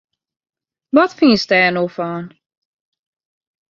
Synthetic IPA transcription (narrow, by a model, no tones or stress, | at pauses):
ʋɔtfinstɛːnoːfɔːn